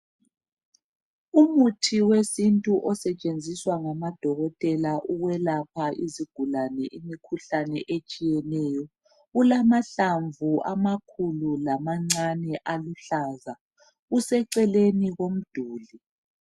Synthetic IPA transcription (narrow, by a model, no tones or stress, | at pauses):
umutʰiwesintʼuʔɔsɛt͡ʃʼend͡zʱiswaŋamad̥ʱɔɣɔtʼɛlaʔuɣwɛlap̚ʰaʔiziɡ̥ʱulanɛʔimikʰuɬanɛʔet͡ʃʼijɛnɛːjɔ | ɣulamaɬaɱvʱuamakʰululamaŋ͡ǀanɛʔaluɬaːza | usɛǀɛleniɣom̩d̥ʱuːli